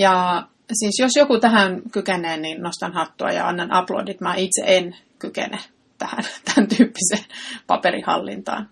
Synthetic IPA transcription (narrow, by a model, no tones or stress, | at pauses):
jɑ | siːsjosjokut̪æhænkykeneːninnost̪ɑnhɑt̪ːuɑ̰jɑ̰ɑ̰nːɑnɑ̰plo̰ːdit̪mɑːit̪sḛʔen | kykḛne | t̪æhæ̰nt̪ænt̪yːpːiseːnpɑ̰peɾihɑ̰lːḭnt̪ɑ̰ːn